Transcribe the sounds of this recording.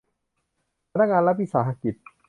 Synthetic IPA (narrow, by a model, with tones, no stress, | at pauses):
ɾa˦ŋa˧˨la˦pi˦˨sa˨ɦa˦ki˨˩t̪̚